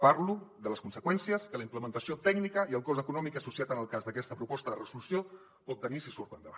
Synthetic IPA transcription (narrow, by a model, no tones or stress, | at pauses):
paɾluðələskunsəkwɛnsiəskələimpləmənt̪əsiot̪ɛɡnikəiəlˠkɔzəkunɔmikəsusiat̪ənəlˠkazðəkɛst̪əpɾupɔst̪əðərəzulusio | pɔt̪̚ːənisisuɾt̪ənd̪əβa